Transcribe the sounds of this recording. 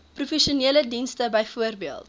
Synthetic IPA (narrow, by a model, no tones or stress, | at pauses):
prufɛʃiuniələdinstəbəjfuərbiəlˠt̚